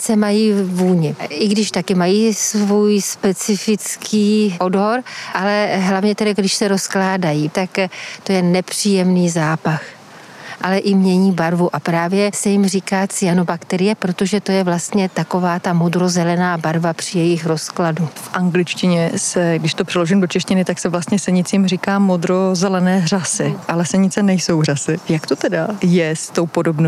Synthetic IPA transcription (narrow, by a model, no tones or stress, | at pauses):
sɛmajiːvuːɲɪʔɪɡdɪʃt̪akɪmajiːsvuːjspɛt͡sɪfɪt͡skʰiːʔo̞dɦo̞ɾʔalɛɦlavɲɛt̪ɛdaɡdɪʃsɛɾo̞sklaːdajit̪akt̪o̞jɛnɛpr̝̥iːjɛmniːzaːpax | ʔalɛʔɪmɲɛɲiːbaɾvuʔapɾaːvjɛsɛjɪmriːkaːt͡sɪjanobakt̪ɛɾɪjɛpɾo̞t̪o̞ʒɛt̪o̞jɛvlast̪ɲɛt̪ako̞vaːt̪amo̞d̪ɾo̞zɛlɛnaːbaɾvapr̝̥ɪjɛjɪxɾo̞skladufʔaŋɡlɪt͡ʃcɪɲɛsɛɡdɪʃt̪opr̥ɛloʒɪmdot͡ʃɛʃcɪnɪt̪aksɛvlast̪ɲɛsɛɲɪt͡siːmrikaːmod̪ɾozɛlɛnɛːr̝asɪʔalɛsɛɲɪt͡sɛnɛjso̞wrasɪjakt̪o̞t̪ɛdajɛst̪o̞wpo̞dobno